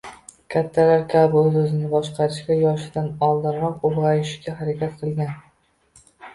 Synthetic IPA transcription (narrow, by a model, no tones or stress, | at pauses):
kʲʰat̪ʰːalaɾkʲʰabɪɵzɵzɪnɪbɒʃqʰɑɾɪʃɡʲajɒʃɪd̪anɒlˠd̪ɪɾɾɒqoɾʁɑjɪʃɡʲahaɾakʲat̪qʰɨlˠɡʲan